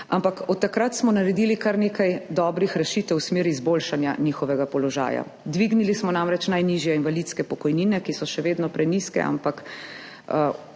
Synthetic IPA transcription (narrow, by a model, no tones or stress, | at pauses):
a̰mpakɔt̪ːakɾat̪smɔnaɾɛd̪ilikaɾneːkajd̪ɔːbɾixɾɛʃiːt̪ɛwsmeːɾiizbolʃanjanixɔʋɛɡapɔlɔʒa̰ːja̰ | d̪ʋiɡnilismɔnamɾɛt͡ʃnajniʒjɛinʋalit̪skɛpɔkɔjniːnɛkisɔʃɛʋeːd̪nɔpɾɛniskɛ̰a̰mpak